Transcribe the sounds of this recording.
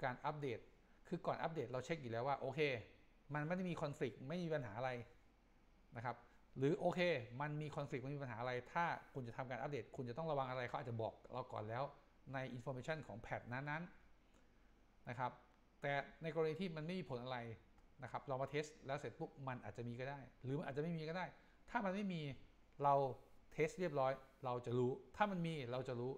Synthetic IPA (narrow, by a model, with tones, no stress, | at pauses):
kaː˧nʔa˦˥p̚deː˨˩t̪̚ | kʰɯː˧kɔː˨˩nʔa˦˥p̚deː˨˩t̪̚ɾa˧wt͡ɕʰe˦˥k̚juː˨˩lɛː˦˥waː˥˩ʔoː˧kʰeː˧ | ma˧nma˥˩jdmiː˧kʰɔ˧nfli˨˩k̚ma˥˩jmiː˧pa˧nɦaː˩˦ʔa˧ɾa˧j | na˦˥kʰa˦˥p̚ | ɾɯː˩˦ʔoː˧kʰeː˧ma˧nmiː˧kʰɔ˧nfli˨˩k̚ma˧˥˩miː˧pnɦaː˩˦ʔa˧ɾa˧jt̪ʰaː˥˩kʰu˧nt͡ɕa˨˩t̪ʰa˧mkaː˧nʔa˦˥p̚deː˨˩t̪̚kʰu˧nt͡ɕa˨˩t̪ɔ˥˩ŋɾa˧wa˧ŋʔa˧ɾa˧jkʰa˦˥ʔaː˨˩t͡ɕːbɔː˨˩k̚ɾa˧wkɔ̰ː˨˩nlɛː˦˥w | na˧jʔi˧nfɔː˧meː˧˩t͡ɕʰa˥˩nkʰɔː˩˦ŋpʰɛ˨˩t̪̚naː˦˥nːa˦˥n | na˦˥kʰa˦˥p̚ | t̪ɛː˨˩na˧jkɔ˧ɾniː˧t̪ʰiː˥˩ma˧nma˥˩jmiː˧pʰo˩˦nʔa˧ɾa˧j | na˦˥kʰa˦˥p̚ɾa˧wmaː˧t̪ʰeː˦˥st̪lɛː˦˥wse˨˩t̪̚bu˦˥˩k̚ma˧nʔaː˨˩t̪̚t͡ɕa˨ʔmiː˧kɔ˥˩daː˥˩jɾɯː˩˦ma˧nʔaː˨˩t͡ɕa˨ma˥˩imːiː˧kɔ˥˩daː˥˩j | t̪ʰaː˥˩ma˧nma˥˩jmiː˧ | ɾa˧wt̪ʰeː˦˥st̪̚ɾi˥˩əp̚ɾɔː˦˥jɾa˧wt͡ɕa˨˩ɾuː˦˥t̪ʰaː˥˩ma˧nmiː˧ɾa˧wt͡ɕa˨˩ɾuː˦˥